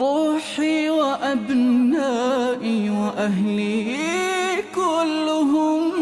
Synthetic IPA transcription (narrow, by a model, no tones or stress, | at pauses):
oːħiwɐʔabnːaʔiwɐʔaɦli | kʊlːʊɦʊm